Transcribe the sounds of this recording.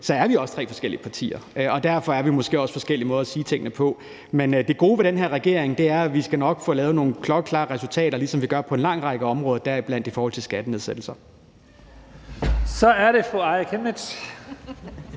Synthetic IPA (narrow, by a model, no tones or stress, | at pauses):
sɒ̽æɐʋiɒ̽st͡sʰʁɛ̰ːfɒ̽sɡ̥el̰iəpʰɑ̈t͡sʰḭːɐɒ̽d̥æɐfɒ̽æɐʋimɔ̽sɡ̥e̝̰ːɒ̽sfɒ̽sɡ̥el̰imɔ̽ːðˠɐsiːt͡sʰe̝ŋ̰ənəpʰɒ̽ | mend̥e̝ɡ̥o̝ːʋe̝ɾ̥enɦeɐʁɛɡ̥e̝ɐ̰eŋd̥e̝æɐʋisɡ̥ænɒ̽ɡ̥fɔ̰̽ːlɛːʊəno̝ːn̩kʰlɒ̽ɡ̥əkʰlɑ̰̈ːʁɛsult͡sʰɛ̰ːɾɐlisɒ̽mʋiɡ̥ɶɐpʰɒ̽e̝nlɑ̈ŋ̰ʁɑ̈ɡ̥əɒ̽mʁɔ̽ːðˠɐd̥æɐ̰ib̥læn̰d̥ifɒːhɒ̽l̰t͡sʰe̝lsɡ̥æd̥əneðˠsed̥l̩sɐ | sɒ̽æɐɾe̝fɔɑɪkʰeme̥ɕ